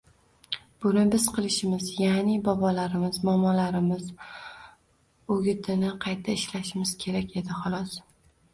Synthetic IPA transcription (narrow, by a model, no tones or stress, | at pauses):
b̥ʊnɪbɪz̥qʰɨlˠɪʃɪmɪzjanɪbɒbɒlaɾɪmɪzmɒmɒlaɾɪmɪz | oɡʲɪt̪ʰɪnɪqʰɑjt̪ʰːaɪʃlaʃɪmɪz̥kʲʰe̞ɾakʲe̞d̪ɪχɒlˠɒs